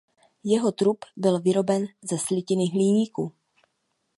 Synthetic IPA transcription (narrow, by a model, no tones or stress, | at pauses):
jɛɦo̞t̪ɾupbɪlvɪɾo̞bɛnzɛslɪcɪnɪɦliːɲiːku